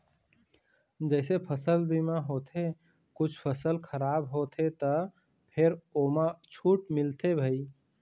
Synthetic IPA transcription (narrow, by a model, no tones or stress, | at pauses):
d͡ʒɛsepʰəsəlbimaɦot̪ʰe | kut͡ʃʰpʰəsəlkʰəɾabɦot̪ʰet̪ə | pʰeɾomat͡ʃʰuʈmilt̪ebʱəi